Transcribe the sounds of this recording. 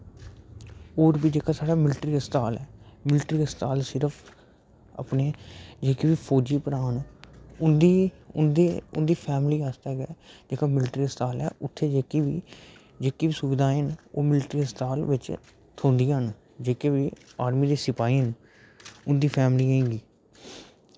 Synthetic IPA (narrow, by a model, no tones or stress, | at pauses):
oːɾbiːd͡ʒeːkaːsaːɽaːmɪlʈɾiːəst̪aːlɛːmɪlʈɾiːəst̪aːlsɪɾəpʰ | ə̰pneːd͡ʒeːkiːʋiːpʰoːd͡ʒiːpəɾaːnʊnd̪iː | ʊnd̪eːʊ̰nd̪iːpʰɛːmliːaːst̪aːɡɛːd͡ʒeːkaːmɪlʈɾiːəst̪aːlɛ̰ːʔʊt̪ʰːeːd͡ʒeːkiːʋiː | d͡ʒeːkiːʋiːsʊʋɪd̪aːɦɪno̰ːmɪlʈɾiːəst̪aːlʋɪt͡ʃ | t̪ʰõːnd̪iːãɦn | d͡ʒeːkeːʋiːaːɾmiːd̪eːsɪpaːiːən | ʊnd̪iːpʰɛːmliːɦẽːɡiː